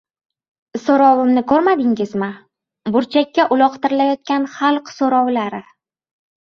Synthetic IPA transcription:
soɾɒwɪmnɪkʰɵɾmad̪ɪŋɪzmɪ | bʊɾt͡ʃʰakʲːaʔʊlˠɒqt̪ɪɾɪlajɒt̪̚kʲanχalˠqsoɾɒwlaɾɪ

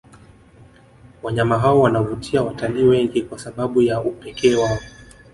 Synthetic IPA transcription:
waɲamaɦaɔwanavutʰiawataliwɛŋɡikwasaɓaɓujaupɛkʰɛːwaɔ

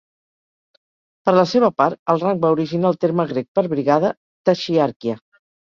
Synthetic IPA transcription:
pəɾləseβ̞əpaɾt̪əlˠraŋɡ̚bauɾiʒinalˠt̪eɾməɣɾek̚pəɾβɾiɣaðə | t̪əʃiaɾkiə

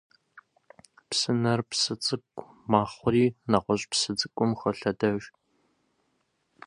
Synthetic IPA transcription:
psɨnɐrpsɨt͡sʼɨkʷʼ | maːχʷʊriːnɐqʷɔɕʼpsɨt͡sʼɨkʷʼʊmxɐɬɐdɐɕ

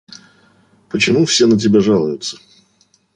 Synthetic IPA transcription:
pət͡ɕɪmufsʲe̞nət̬ʲɪbʲaʐalˠəjʊt̪sə̥

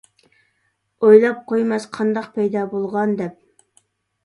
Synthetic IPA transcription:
ojlˠɑp̚qʰojmɛsqʰɑnd̪ɑqpʰɛjd̪ɑːbolˠʁɑnd̪ɛp̚

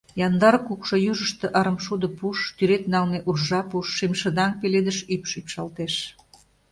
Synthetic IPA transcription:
jɑnd̪ɑrkukʃojuʒəʃt̪ĕʔɑɾə̆mʃud̪ə̆puʃt̪yɾet̪nɑlneʔurʒɑpuʃːimʃə̆d̪ɑŋpeled̪əʃypʃypʃɑlt̪eʃ

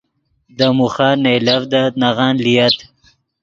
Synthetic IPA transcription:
d̪əmuxɑːnejlavd̪anaɣɑnlijat̪

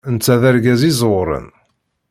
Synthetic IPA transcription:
ənt͡sːæðæɾɡæzizɾˤə̰n

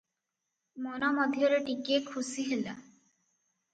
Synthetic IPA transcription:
mɔnɔmɔd̪ʱjɔɾeʈikekʰusiɦela

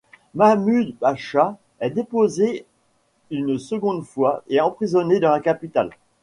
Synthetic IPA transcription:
mamyd̪baʃa | ɛd̪epoze | ynsəɡɔ̃d̪fwaʔeɑ̃pχizɔned̪ɑ̃lakapit̪al

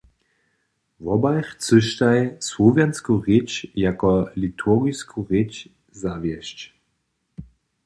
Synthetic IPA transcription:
vɔbajxt͡səʃtajswovjanskuʁet͡ʃjakɔlitʰuɐɣiskʰuʁet͡ʃ | zavjɛʃt͡ɕ

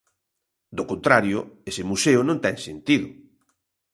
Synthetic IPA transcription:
d̪okõnt̪ɾaɾjʊesɪmuseʊnõnt̪ɛŋsent̪iðʊ

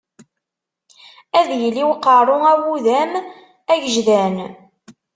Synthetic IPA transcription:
æðjəlːiwqɑɾˤʊæwuðæm | æʝəʒðæn

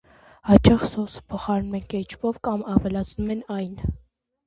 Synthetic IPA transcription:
hɑt͡ʃɑχsɔsə̥pʰɔχɑɾnumɛnkɛt͡ʃʰvɔvkɑmɑvɛlɑt͡sʰnumɛnɑjn

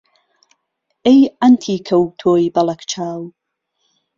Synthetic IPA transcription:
ejantʰikʰəwtʰojbalˠəkʰt͡ʃʰalˠ

